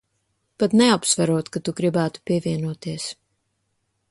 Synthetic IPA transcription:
pat̪nɛapsvaɾuɔt̪kat̪uɡɾibæːt̪u̥pʲiɛvʲiɛnuɔt̪iɛs

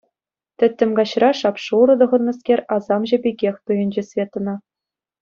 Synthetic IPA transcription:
t̪ʲɘ̆t̪ʲːɘ̆mɡɑɕrɑʂɑpʂuɾɤ̆d̪ɤ̆ʁɤ̆nːɤ̆skʲerʲɑzɑmʑɘ̆bʲeɡʲexʲt̪ɯjɤ̆nʲd͡ʑɘ̆sʲvʲet̪ɤ̆nɤ̆

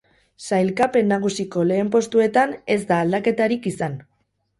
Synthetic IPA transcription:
sajlkape̞nːaɣ̞usiko̞le̞ːmpo̞st̪ue̞t̪ane̞zd̪aːld̪ake̞t̪aɾikisan

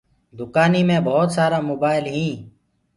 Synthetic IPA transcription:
d̪ʊkaːniːmẽːbʱɔːt̪saːɾaːmoːbaːɪlɦĩː

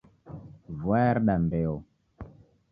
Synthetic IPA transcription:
vwaɾɗambeo

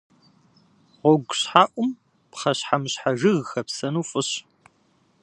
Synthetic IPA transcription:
ʁʷɔɡʷɕħaːʔʷʼʊm | pχɐɕħamɨɕħaʒɨɣxɐpsɐnuːfʼɨɕ

